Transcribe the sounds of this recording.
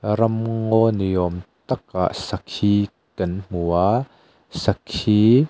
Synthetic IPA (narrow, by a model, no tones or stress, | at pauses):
rɐmŋɔnijɔmt̪ɐk̚a̰ʔsɐkhiː | kɐnm̥ua | sɐkhi